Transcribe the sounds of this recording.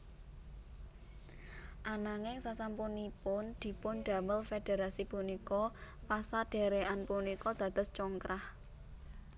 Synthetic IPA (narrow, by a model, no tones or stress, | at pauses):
ʔanaŋɪŋsasampunipʊnd̪̥i̤pʊnɖ̥a̤məlfed̪̥e̤ɾasipunikɔpasaɖ̥e̤ɾeʔanpunikɔd̪̥ä̤d̪ʊ̤st͡ʃɔŋkɾah